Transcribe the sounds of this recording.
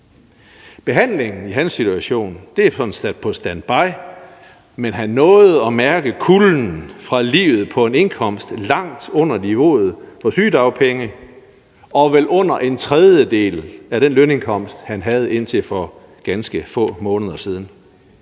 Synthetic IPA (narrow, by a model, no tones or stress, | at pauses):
b̥e̝ɦæn̰le̝ŋn̩iɦænsːit͡sʰuæɕo̝̰ːnd̥e̝sɒ̽d̥n̩sæd̥̚pʰɒ̽sd̥ænb̥ɑ̈ɪ̰ | menɦænːɔ̽ːð̩ˠɒ̽mæɐɡ̥əkʰulnn̩fʁɑ̈lḭːʊð̞̩ˠpʰɒ̽e̝ne̝nkʰɒ̽m̰sd̥lɑ̈ŋ̰d̥ɔ̽n̰ɐniʋo̝̰ːð̞̩ˠfɒ̽syːd̥ɑ̈ʊpʰeŋə | ɒ̽ʋelʔɔ̽n̰ɐʔe̝nt͡sʰʁɛð̞ˠjəd̥e̝̰ːlæɾ̥enløne̝ŋkʰɒ̽m̰sd̥hænɦæð̞̩ˠe̝n̰t͡sʰe̝lfɒ̽ | ɡ̥ænsɡ̥əfɔ̰̽ːmɔ̽ːnəð̞ˠɐsiːð̞ˠn̩